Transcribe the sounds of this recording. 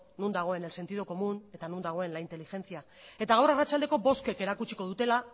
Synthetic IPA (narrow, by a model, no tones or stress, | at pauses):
nund̪aɣ̞o̞e̞ne̞lse̞nt̪iðoko̞mune̞t̪anund̪aɣ̞o̞e̞nlaint̪e̞lixe̞nt͡sia | e̞t̪aɣawrarat͡ʃald̪e̞ko̞bo̞ske̞ke̞ɾakut͡ʃi̥ko̞ðut̪e̞la